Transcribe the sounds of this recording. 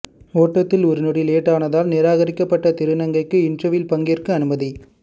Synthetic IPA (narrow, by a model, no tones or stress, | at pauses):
oːʈːɐt̪ːɪlɔɾɯnɔɽɪleːʈːaːnɐðaːlnɪɾaːɣɐɾɪkːɐpːɐʈːɐt̪ɪɾɯnɐŋɡɐɪkːɯɪndrɐʋɪlpɐŋɡɪrkɯɐnɯmɐði